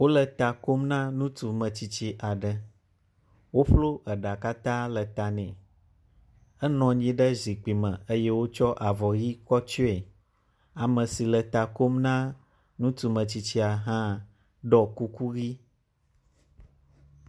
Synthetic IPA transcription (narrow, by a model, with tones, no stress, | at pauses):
wo˦lə˨t̪a˨ko˦mnã˦nũ˦t̪u˨mə̃˨t͡ɕi˨t͡ɕi˦ʔa˨ɖə˦ | wo˦ɸlo˦ə˨ɖa˨ka˦t̪ã˦lə˨t̪a˨nɛ̰̃˨ | ə˦nɔ̃˨ɲĩ˦ɖə˦zi˨k͡pi˨mə̃˨ə˦je˦wo˦t͡ʃɔ˦ʔa˨vɔ˨ji˦kɔ˦t͡ʃɔ˦ɛ˨ | a˨mə̃˨si˨lə˨t̪a˨ko˦mnã˦ | nũ˦t̪u˨mə̃˨t͡ɕi˨t͡ɕi˦a˨ɦã˦ | ɖɔ˨ku˦ku˦ɣi˦